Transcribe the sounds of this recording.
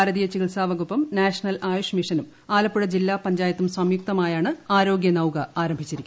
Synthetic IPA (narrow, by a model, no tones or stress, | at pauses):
ɾɐðijɐt͡ɕːikilsaːʋɐɣupːɐmnaːʂɐnɐlaːjuʂmiʂɐnum | aːlɐpːuɽɐd͡ʑilːaːpɐɲd͡ʑaːjɐt̪ːumsɐmjuk̚t̪ɐmaːjaːɳɨaːɾo̞ːɡjɐnɐwkɐaːɾɐmbʱit͡ɕːiɾikʲː